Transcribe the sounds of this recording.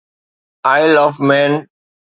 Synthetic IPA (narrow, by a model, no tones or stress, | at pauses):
aɪlɔʋmɛ̃n